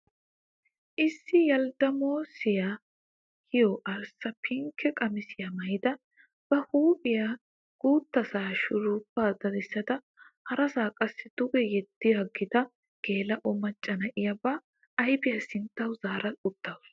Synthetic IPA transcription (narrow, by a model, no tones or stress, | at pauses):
ʔɪsːɪjɐld̪ɐmoːsɪja | kɪjɔʔɐɾsɐpʰɪŋkʰːɛkʼɐmɪsɪjɐmɐjd̪ɐ | b̥ɐhuːpʼɪja | ɡ̥uːt̪ːɐsaːʃʊɾuːpːaːd̪ɐd̪ɪsːɐd̪ɐ | hɐɾɐsaːkʼɐsːɪd̪̥ʊɡɛjɛd̪ːɪjɐɡɪd̪ɐ | ɡ̥eːlɐʔɔmɐt͡ʃʼːɐnɐʔɪjabɐː | jbɪjɐsɪnt̪ːɐwzaːɾɐʊt̪ːɐws